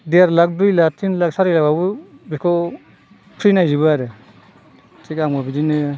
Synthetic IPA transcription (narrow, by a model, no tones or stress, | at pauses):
deɾlak̚dujlatʰinlak̚saɾɯjlakabɯbikʰɔ | pʰɾinajzibɯaɾɯ | tʰikaŋɔbidinɯ